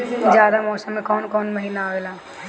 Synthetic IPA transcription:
d͡ʒjaːd̪amɔːsəmːẽkɔːnkɔːnmɐɦiːnaaɡlaː

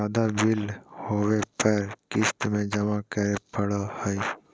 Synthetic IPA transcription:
aːd̪abɪlhoːwepəɾkɪst̪mẽd͡ʒəmakəɾepəɽohəj

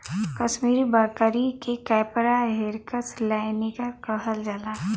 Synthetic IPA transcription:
kɐʃmiːɾibaːkəɾikekɛːpɾaɦeɾkəslanikakəɦəld͡ʒala

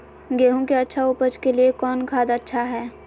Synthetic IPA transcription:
ɡeːɦõkeɐtːʃʰaʊpəd͡ʒkeliekɔːnkʰaːd̪ɐtːʃʰaɦɛː

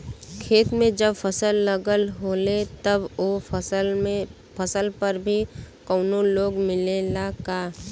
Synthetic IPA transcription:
kʰeːt̪mẽd͡ʒɐbfəsəlːəɡəlɦoːlet̪ɐboːfsəle | pəsəlpəɾbʱi | kɔːnõloːɡmɪlelakaː

